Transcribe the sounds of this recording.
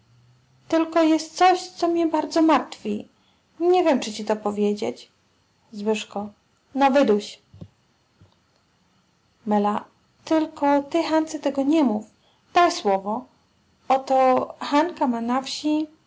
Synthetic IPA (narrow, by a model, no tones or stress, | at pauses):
t̪ɘlkɔjɛst̪t̪sɔɕt̪sɔmɲɛbaɾd̪zɔmaɾt̪fʲi | ɲevʲjɛmt͡ʂɘt͡ɕit̪ɔpɔvʲjed͡ʑet͡ɕ | zwɘʂkɔ | nɔvɘd̪uɕ | mɛla | t̪ɘlkɔt̪ɘxant̪sɛt̪ɛɡɔɲɛmuf | d̪̥ajswɔvɔ | ɔt̪ɔxankamanafɕi